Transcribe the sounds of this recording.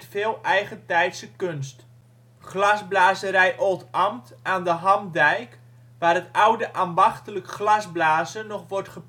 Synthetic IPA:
tfeːlˠɛjχətɛjtsəkønst | χlazblaːzəɾɛjʔoːtamtʔaːndəɦɑmdɛjk | ʋaːrətawdəʔaːmbɑχtələkχlɑzblaːzənɔχʋɔrtχəp

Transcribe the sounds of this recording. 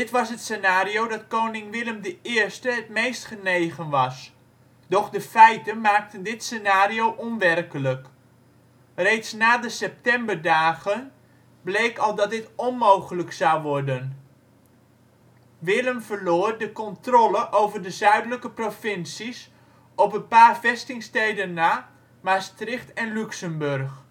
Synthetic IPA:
dɪtʋɑsɦətsenaːriowdɑtkownɪŋʋɪləmdəɪːɹstəɦətmejstχənejχənʋɑs | d̥ɔχdəfɛjtənmaːk̚təndɪtsenaːriowʔɔnʋɛrkələk | rejtsnaːdəsɛp̚tɛmbərdaːχən | blejkɑlˠdɑt̚dɪtɔnmowχələksɑwʋɔɹdən | ʋɪləmvəɹloːrdəkɔntrɔləʔowvərdəzœɥdələkəprofɪnsis | ɔpənpaːrvɛstɪŋstejdənːaː | mastrɪχtɛnlyksəmbørχ

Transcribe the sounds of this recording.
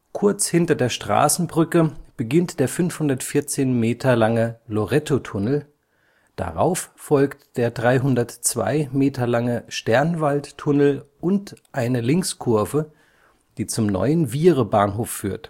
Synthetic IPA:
kʰʊɐt͡shɪntɐdeːɐʃtʁ̥a̰ːsn̩bʁʏkəb̥əɡɪntd̥eːɐfʏnfhʊndɐtfɪɐt͡seːnmeːtʰɐlaŋəloʁɛtotʰʊnl̩ | d̥a̰ʁa̰ʊffɔlktd̥eːɐdʁaɪɦʊndɐtt͡sv̥a̰ɪmeːtʰɐlaŋəʃtɛɐnvalttʰʊnl̩ʔʊntʔaɪnəlɪŋkskʰʊɐvə | d̥iːt͡sʊmnɔ̰ʏənviːʁəbaːnɦoːfːyːɐt

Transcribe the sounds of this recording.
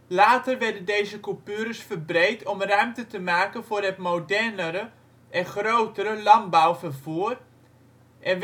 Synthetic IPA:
laːtərʋɛɹdəndejzəkupyəɾəsfərbrejtɔmrœɥmtətəmaːkənvʊːrɦɛtmowdɛrnəɾə | ʔɛnχrowtəɾəlɑmbawfərvuər | ʔɛn

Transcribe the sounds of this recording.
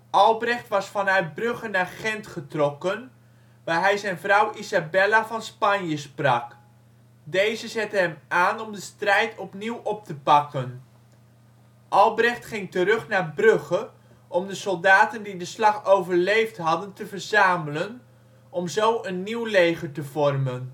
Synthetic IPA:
ʔɑlˠbrɛχtʋɑsfɑnœɥt̚brɵχənaːɹχɛntχətrɔkən | ʋaːɹɦɛjzɛjnvrʌwʔizabɛlavɑnspɑnjəsprɑk | dejzəzɛtəɦɛmaːnɔmdəstrɛjtʰɔpniwʔɔp̚təpɑkən | ʔɑlˠbrɛχtχɪŋtərɵχnaːɹbrɵχə | ʔɔmdəsɔlˠdaːtəndidəslɑχowvəɹlejftɦɑdəntəvəɹzaːmələn | ʔɔmzowənːiwlejχəɹtəvɔrmən

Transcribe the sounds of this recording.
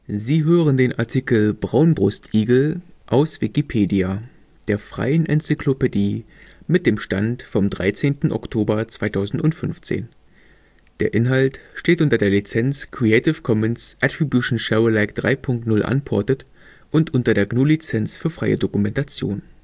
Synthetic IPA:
ziːɦøːʁəndeːnʔa̰ɐtʰiːkl̩bʁaʊnbʁʊstʔiːɡl̩ʔaʊsv̥ikipʰeːdia | d̥eːɐfʁ̥a̰ɪənʔɛnt͡sɪkʰlopediː | mɪt̚d̥eːmʃta̰ntfɔmdʁa̰ɪt͡seːntn̩ʔɔ̰ktʰoːbɐt͡sv̥aɪtʰaʊzn̩tʊntfʏnft͡sḛːn | d̥eːɐʔɪnɦaltʃteːtʔʊntɐdeːɐlit͡sɛnt͡skʁ̥iɛɪtɪfkʰɔmɛnsʔatʁibjuʃn̩ʃaʊɐlaɪkd̥ʁa̰ɪpʰʊŋk̚tnʊlʔa̰npʰɔɐtət | ʔʊntʔʊntɐdeːɐɡnoːlit͡sɛnt͡sfyːɐfʁ̥aɪə̰dokumɛntat͡sjo̰ːn

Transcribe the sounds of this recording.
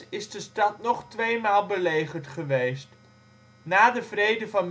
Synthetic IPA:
ɪzdəstɑtnɔχtʋejmaːlˠbəlejχəɹtχəʋejst | naːdəvrejdəvɑn

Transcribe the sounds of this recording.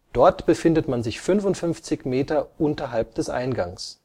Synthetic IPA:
d̥ɔɐtb̥əfɪndətmanzɪçfʏnfʊntfʏnft͡sɪçmeːtɐʔʊntɐɦalp̚d̥ɛsʔa̰ɪnɡa̰ŋs

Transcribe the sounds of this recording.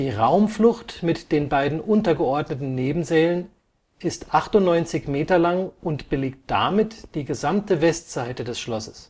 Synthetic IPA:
d̥iːʁaʊmflʊxtmɪtd̥eːnbaɪdn̩ʔʊntɐɡəɔɐdnətn̩neːbm̩zɛːlən | ʔɪstʔaχtʊntnɔʏnt͡sɪçmeːtɐlaŋʔʊntb̥əleːk̚t̚d̥a̰mɪtd̥iːɡəzamtəvɛstz̥aɪtədɛsʃlɔsəs

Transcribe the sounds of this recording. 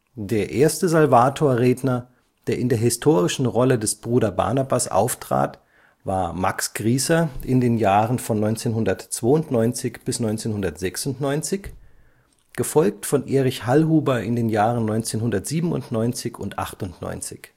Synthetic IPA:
d̥eːɐʔeːɐstəzalvaːtʰoːɐʁeːdnɐ | d̥eːɐʔɪndeːɐɦɪstʰoːʁɪʃn̩ʁɔlədɛsb̥ʁuːdɐba̰ɐnabasʔa̰ʊftʁ̥a̰ːt | vaːɐmaksɡ̥ʁiːsɐʔɪndeːnjaːʁənfɔnːɔʏnt͡seːnɦʊndɐtt͡sv̥oːʊntnɔʏnt͡sɪçb̥ɪsnɔʏnt͡seːnhʊndɐtz̥ɛksʊntnɔʏnt͡sɪç | ɡ̥əfɔlk̚tfɔnʔeːʁɪçhalhuːbɐʔɪndeːnjaːʁənɔʏnt͡seːnɦʊndɐtz̥iːbm̩ʊ̰ntnɔʏnt͡sɪçʊntʔa̰χtʊntnɔ̰ʏnt͡sɪç

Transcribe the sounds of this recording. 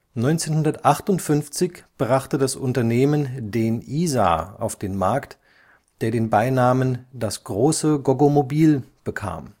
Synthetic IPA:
nɔʏnt͡seːnhʊndɐtʔaχtʊntfʏnft͡sɪçb̥ʁaχtədasʔʊntɐneːməndeːnʔiːza̰ːa̰ʊfd̥eːnmaɐkt | d̥eːɐɾeːnbaɪnaːməndasɡ̥ʁoːsəɡoɡomobiːlb̥əkʰa̰ːm

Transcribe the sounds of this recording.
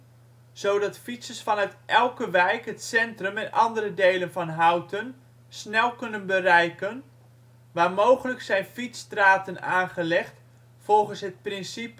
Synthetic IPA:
z̥owdɑtfisəsfɑnœɥtʔɛlˠkəʋɛjkɦətsɛntrəmɛnʔɑ̰ndərədejlənvɑnɦawtən | snɛlˠkɵnənbərɛjkən | ʋaːrmowχələksɛjnfitstraːtənaːnχəlɛχt | fɔlˠχənsɦət̚prɪnsip

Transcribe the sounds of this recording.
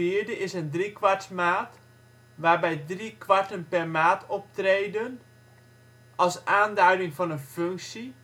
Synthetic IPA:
iəɹdəɪsəndrikʋartmaːt | ʋaːrbɛjdrikʋartənpɛrmaːtʰɔp̚treːdən | ʔɑlˠsaːndœɥdɪŋfɑnənføŋksi

